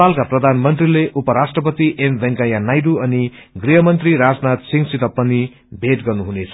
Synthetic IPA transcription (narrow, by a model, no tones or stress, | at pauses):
alkaprʌd̪ʱanmʌnt̪rileʔupʌɾasʈrʌpʌt̪iʔembʱʌŋkajanajduʌni | ɡriɦʌmʌnt̪riɾad͡znat̪siŋsit̪ʌpːʌni | bʱeʈɡʌrnuɦunet͡sʰʌ